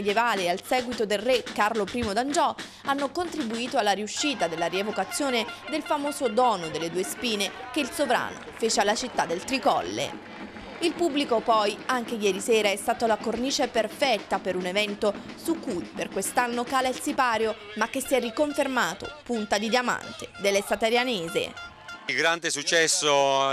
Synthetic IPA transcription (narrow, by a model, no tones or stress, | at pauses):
d̪jevaːlealsɛːɡwit̪od̪elrekːarlopɾiːmod̪and͡ʒɔ | anːokont̪ɾibuiːt̪oalːaɾiuʃːiːt̪ad̪elːaɾievokat̪sːjoːned̪elfamoːzod̪ɔːnod̪elːed̪uːespiːne | keilsovɾa̰ːno̰feːt͡ʃealːat͡ʃit̪ːad̪ːelt̪ɾikɔ̰lːḛ | ilpubːlikopɔjaŋk̟ejɛːɾisɛːɾaɛst̪aːt̪alakorniːt͡ʃeperfɛt̪ːapeɾunevɛnt̪o | sukːujperkwest̪anːokaːlaɛlsipaːɾjomak̟ːesiɛrːikoɱfermaːt̪o̰punt̪ad̪id̪jama̰nt̪ed̪elːesat̪aɾjaneːzḛ | ɡɾant̪esut͡ʃːɛsːo